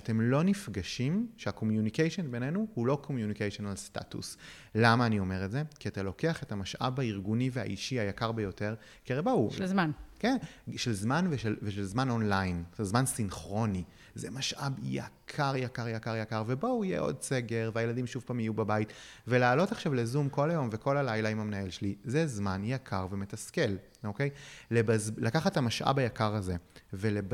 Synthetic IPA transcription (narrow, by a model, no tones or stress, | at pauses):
ate̞mlo̞nifɡaʃimʃeako̞mjunikejʃonbenenuhulo̞kʰomjunikejʃonalsta̰tṵs | lamaːnio̞me̞ʁetze̞kiatalo̞ke̞aχe̞tamaʃʔa̰baiʁɡunivea̰ʔiʃiajakaʁbejo̞te̞ʁ | keʁebouʃzmankenʃelzmanveʃelveʃelzmanonlajnʃelzmansinχʁo̞ni | zemaʃʔabja̰kʰaʁjakaʁjakaʁjakaʁvebo̞ijḛʔo̞̰d̪se̞ɡe̞ʁveajeladimʃuv̥paːmjijubabait | ve̞laːlo̞taχʃavlezumko̞lajo̞mve̞ko̞lalajlaimamnaelʃelizezmanjakʰaʁveme̞taske̞l | oke̞jlebazlakaχatamaʃʔa̰bajakaʁaze̞ve̞leb